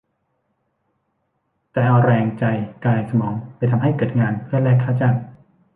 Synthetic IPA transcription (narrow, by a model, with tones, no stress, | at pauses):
t̪ɛː˨˩ʔɔː˧ɾɛː˧ŋt͡ɕa˧jkaː˧jsa˧mɔː˩˦ŋpa˧jt̪ʰa˧mɦa˥˩jkɤː˨˩t̪̚ŋaː˧npʰɯ˥˩əlɛː˥˩kʰːaː˥˩wt͡ɕa˧˩n